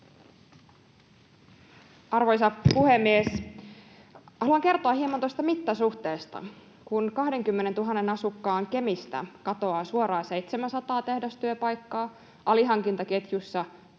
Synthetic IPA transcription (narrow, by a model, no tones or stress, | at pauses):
ʔɑrʋo̞jsɑpuhemːies | hɑluɑŋke̞rt̪oɑhiemɑnt̪ojst̪ɑmit̪ːɑsuht̪eːst̪ɑ̰ | kunkɑhde̞ŋk̟ymːene̞nt̪uɦɑnːenɑsukːɑːŋke̞mist̪æ̰kɑt̪o̞ɑːsuoɾɑːse̞jt̪semænsɑt̪ɑːt̪e̞hdost̪yøpɑjkːɑː | ʔɑliɦɑŋk̟int̪ɑke̞t̪jusːɑ